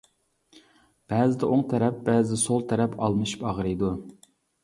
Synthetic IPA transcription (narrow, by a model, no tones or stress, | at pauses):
b̥æːzɪd̪ɛʔoŋt̪ʰɛɾɛp̚bæːzɪd̪ɛsolˠt̪ʰɛɾɛpʰɑlˠmɨʃi̥pɑʁɾɨjd̪u